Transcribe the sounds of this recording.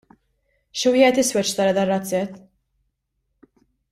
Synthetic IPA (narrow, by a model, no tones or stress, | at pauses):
ʃwɪːhɛt̪ɪswɛt͡ʃːt̪ɐɾɐd̪ɐrːɐt͡sːɛt̪ː